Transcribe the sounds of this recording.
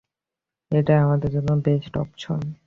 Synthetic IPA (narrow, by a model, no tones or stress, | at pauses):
eʈaamad̪eɾd͡ʑonːobesʈɔ̰pt͡ɕʰɔ̰n